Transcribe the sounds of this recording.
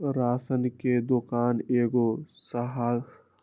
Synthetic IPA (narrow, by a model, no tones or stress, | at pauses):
ɾaːsənked̪okaːneːɡosəɦa